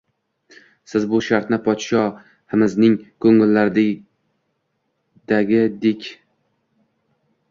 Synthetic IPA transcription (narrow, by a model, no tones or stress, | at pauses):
sɪzbʊʃaɾt̪nɪpʰɒt̪ʃɒ | hɪmɪznɪŋkʰɵŋɪlːaɾd̪ | d̪̥aɡʲɪd̪ekʲ